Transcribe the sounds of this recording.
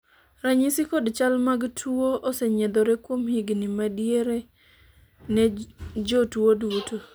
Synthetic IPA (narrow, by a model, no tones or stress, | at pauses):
ɾaɲisikodt͡ʃalmaɡtʰuoʔosɛɲɛd̪ɔɾɛkwomhiɡnimadieɾe | nɛd͡ʒotuwoduwoto